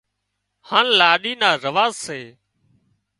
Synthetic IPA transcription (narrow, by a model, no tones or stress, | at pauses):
haːnlaːɗiːnaːɾəʋaːzseː